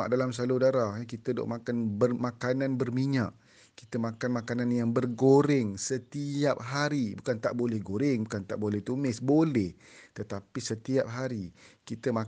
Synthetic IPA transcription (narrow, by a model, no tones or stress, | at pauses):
aʔdalams̬alodaɾaɦkit̪ədo̰ʔmakanbərmãkanãnbərmiɲã̰ʔ | kit̪əmãkanmakananjaŋbərɡoɾɪŋsət̪iap̚ɦaɾibukant̪a̰ʔbolɛhɡoɾɪŋbukant̪aʔbolɛht̪umɪsbolɛht̪ət̪apisət̪iap̚ɦaɾikit̪əma